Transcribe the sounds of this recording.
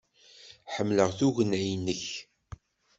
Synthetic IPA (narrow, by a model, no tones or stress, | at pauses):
ħəmːləʁθuʝənæjnːəç